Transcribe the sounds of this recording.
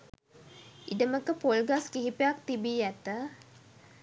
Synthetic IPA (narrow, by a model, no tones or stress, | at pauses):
idəməkəpolɡaskiɦipejak̚t̪ibiːjæt̪ə